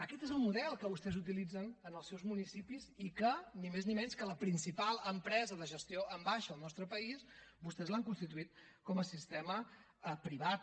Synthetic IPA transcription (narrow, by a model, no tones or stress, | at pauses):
əkɛt̪ezəlˠmuðɛlˠkəβust̪ɛzut̪̬ilid͡zənənəlˠsɛwzmunisipizikənimeznimɛnskələpɾinsipalˠəmpɾɛzəðəʒəst̪ioʔəmbaʃəːlˠnɔst̪ɾəpəisbust̪ɛzlaŋkunst̪it̪uit̪̚ | kɔməsist̪ɛmə | əpɾiβat̪̚